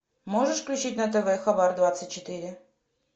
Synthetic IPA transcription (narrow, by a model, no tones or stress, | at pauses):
moʐəʂfklʲʉt͡ɕitʲnət̪̬ɛvɛxɐbard̪vat̪sətʲt͡ɕːɪt̪ɨɾʲɪ